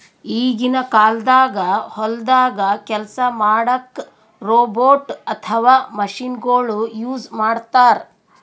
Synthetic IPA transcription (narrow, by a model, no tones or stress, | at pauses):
iːɡinɐkaːld̪aːɡɐhɔld̪aːɡɐkɛlsɐmaːɽɐk | ɾoːboːʈɐt̪ʰɐʋaːmɐʃinɡoːɭujuːd͡ʒmaːɽt̪aːɾ